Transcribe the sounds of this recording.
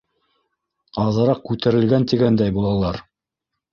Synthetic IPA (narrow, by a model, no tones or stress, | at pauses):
ɑðɤ̆ɾɑq̚kʉt̪æ̆ɾɘ̆lɡænt̪iɡænd̪æjbulˠɑlˠɑɾ